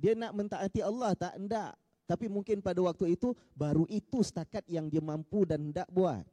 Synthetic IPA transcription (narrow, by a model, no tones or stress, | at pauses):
dianaʔmənt̪aʔːt̪iɑlːɑht̪aʔnda̰ʔ | t̪apimuŋkɪnpadawak̚t̪uit̪u | baɾuʔit̪usə̥t̪akat̪̚jaŋdiamampudanəndaʔboa̰t̪̚